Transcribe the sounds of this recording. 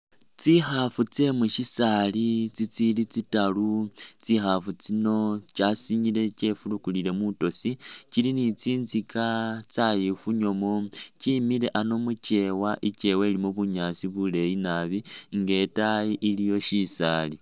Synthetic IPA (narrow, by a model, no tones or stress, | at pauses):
t͡sixafut͡se̞mwuʃisalit͡sit͡silit͡sitalut͡sixafut͡sino̞t͡ʃasiɲile̞t͡ʃe̞fulukulile̞muto̞sit͡ʃilinit͡siːnzikat͡sajifuɲo̞mot͡ʃimile̞ʔano̞mut͡ʃe̞waʔit͡ʃe̞welimoβuɲasiβule̞jinaβiŋɡe̞tajiʔilijo̞ʃisali